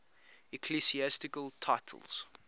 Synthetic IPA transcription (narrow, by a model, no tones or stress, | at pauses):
ɛkʰlisiæstɪkəlˠtʰaɪtʰə̰lˠz̥